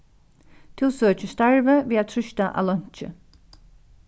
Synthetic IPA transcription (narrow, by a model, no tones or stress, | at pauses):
t̪ʰɪlˠsøːt͡ʃəst̪aɹvəʋiːat̪ʰɾʏʃt̪aʔa̰ːlɔɲ̥t͡ʃə̰